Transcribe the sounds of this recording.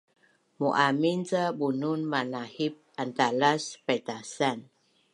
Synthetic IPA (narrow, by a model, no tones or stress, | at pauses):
muʔamint͡sabununmanahip̚ant̪alaspat̪asan